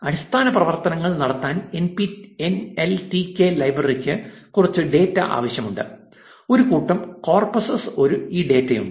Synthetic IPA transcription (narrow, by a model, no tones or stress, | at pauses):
ɐɾist̪ʰaːnɐprɐʋɐrt̪ɐnɐŋːɐɭnɐɽɐt̪ːaːnenpieneltikelɐjbrɐrikʲːɨ | kurɐt͡ɕːɨɖe̞ːtːɐʔa̰ːʋɐɕjɐmuɳɖɨ | o̞ɾukuːʈːɐmko̞ːrposɐso̞ɾuiːɖe̞ːtːejṵɳɖɨ